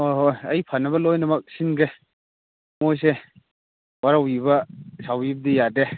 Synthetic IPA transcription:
hojɦojɐjpʰanɐbɐlojnɐmɐk̚sinɡe | mojs̬e | waɾawibɐsawib̚dijade

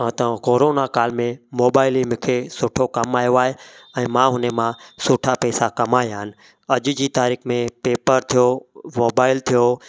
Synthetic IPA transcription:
t̪ə̃koːɾoːnakaːlmẽmoːbaːɪlimɪ̃kʰesʊʈʰokɐmaːjoaːɦeɛ̃ːmãːɦʊnemãsʊːʈʰapɛːsakɐmaːjaːnɪ̆ | ɐʄʊd͡ʑiːt̪aːɾiːxmẽpeːpəɾt̪ʰijomoːbaːɪlt̪ʰijoː

